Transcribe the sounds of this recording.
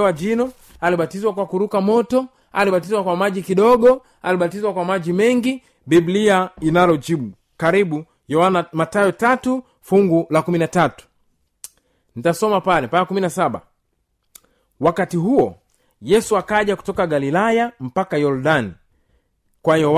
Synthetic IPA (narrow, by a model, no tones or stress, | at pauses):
wad͡ʒinɔ | aliɓatizwakwakuɾukamɔtɔ | aliɓatizwakwamaʄikiɗɔɡɔ | aliɓatizwakwamaʄimɛŋɡi | bibliainalɔd͡ʒiɓu | kaɾiɓu | jɔwanamatajɔtatu | fuŋɡulakuminatatu̥ | nitasɔmapalɛpaakuminasaɓa̰ | wakatiɦuɔ | jɛsuakaʄaku̥tɔkaɡalilajam̩pakajɔɾdani | kwajɔ